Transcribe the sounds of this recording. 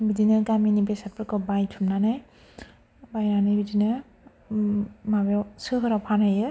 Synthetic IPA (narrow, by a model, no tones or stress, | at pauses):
bidinɯɡaminibesat̚pʰɾɯkɯbajtʰumnanaj | bajnanɯbidinɯ | mabesɯɦɯɾapʰanɯjɯ